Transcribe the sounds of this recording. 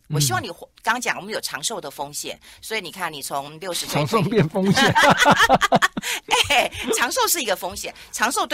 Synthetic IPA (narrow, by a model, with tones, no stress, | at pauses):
wɔ˨˩ɕi˥wɑ˥˩ŋni˨˩xkɑ˥ŋt͡ɕjɑ˨˩ŋwə˦njo˨˩ʊʈ͡ʂʰɑ˧˥ŋʂo˥˩ʊd̪ə˩fo˥ŋɕjɛ̰˨˦n | swɔ˧˥i˨˧˦ni˨˩kʰa˥˩nni˨˩t͡sʰʊ˧˦˥ŋljo˥˩ʊʂɻ̩˧˥t͡sʰɑ˧˥ŋʂo˥˧ʊpjɛ˥˨nfo˥ŋɕjɛ˨˩˦n | e˥˩ʈ͡ʂʰɑ˧˥ŋʂo˥˧ʊʂɻ̩˥˩i˧˥ɡə˧fo˥ŋɕjɛ˨˩nʈ͡ʂʰɑ˧˥ŋʂo˥ʊt̪w